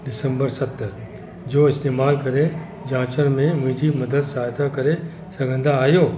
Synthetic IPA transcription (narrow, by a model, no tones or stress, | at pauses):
ɖɪsə̃mbəɾsɐt̪ | d͡ʑoːɪst̪eːmaːlkɐɾe | d͡ʑãːt͡ʃənmẽmʊ̃ɦɪ̃ɲd͡ʑimɐd̪əd̪saːjt̪akɐɾe | sɐɡʱə̃nd̪aːjoː